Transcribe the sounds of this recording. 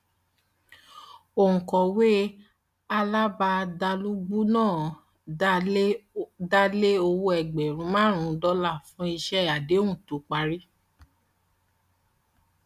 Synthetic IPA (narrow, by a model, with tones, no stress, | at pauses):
o˨ŋ̩̃˨kɔ̃˨we˦ | a˧la˦ba˧da˧lu˦ɡ͡bu˦nãː˦˨ | da˦le˦o˧wo˧˦ɛ˨ɡ͡bɛ˨ɾũ˨˦mãː˦ɾ̃ũ˨˦dɔ˦la˦˨fũ˦i˧ʃɛ˦˨ja˨de˨˦ũ˦˨tu˨˦k͡pa˧ɾi˦